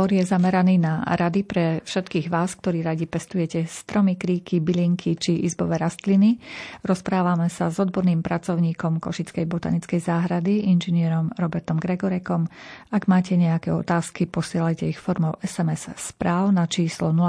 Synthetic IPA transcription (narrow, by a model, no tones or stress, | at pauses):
ɔɾjɛzamɛɾaniːnaɾad̪ipɾɛfʃɛt̪kiːɣʋaːsk̚t̪ɔɾiːɾaɟipɛst̪ujɛcɛst̪ɾɔmikɾiːkibiliŋkʰit͡ʃiʔḭzbɔʋɛːɾast̪liniɾɔspɾaːʋamɛsazɔd̪bɔɾniːmpɾat͡sɔʊɲiːkɔmkɔʃit͡skɛjbɔt̪a̰ɲit͡skɛjzaːɦɾad̪iinʒinɪɛɾɔmɾɔbɛɾt̪ɔmɡɾɛɡɔɾɛkɔmaɡmaːcɛɲɛakɛːɔt̪aːskipɔsɪɛlajcɛixfɔɾmɔʊɛsɛmɛsːpɾaːʊnat͡ʃiːslɔnula